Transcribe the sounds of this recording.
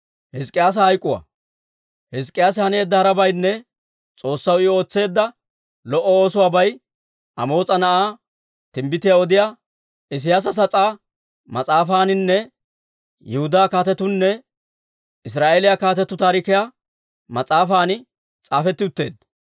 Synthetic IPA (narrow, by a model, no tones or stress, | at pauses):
hɪskʼɪjaːs̬ɐhɐjkʼːʊwa̰ | hɛs̬kʼːɪjaːs̬ɪhɐne̞ːd̪ːɐhɐɾɐbɐjnːɛ | t͡sʼo̞ːsːɐwɪo̞ːt͡sːe̞ːd̪ːɐ | lɔʔɔo̞ːsʊwaːbɐj | ʔɐ̰mo̞ːt͡sʼɐnɐʔaː | t̪ɪmbɪt̪ɪjaɔd̪ɪjaː | ɪs̬ɪjaːs̬ɐs̬ɐt͡sʼaː | mɐt͡sʼaːfaːnɪnːɛ | jɛhʊd̪aːkaːt̪ɛt̪ːʊnːɛ | ɪs̬ɾaːʔeːlɪjakaːt̪ɛt̪ːʊt̪aːɾɪkɪja | mɐt͡sʼaːfaːnɪ | t͡sʼaːfɛt̪ːɪʊt̪ːe̞̰ːd̪